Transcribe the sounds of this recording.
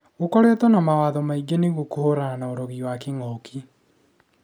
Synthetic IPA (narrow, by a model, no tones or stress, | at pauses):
ɣokɔɾetɔnamawaːðɔmaiɡeneɣokohoɾananaoɾɔɣiwakeŋɔkʰi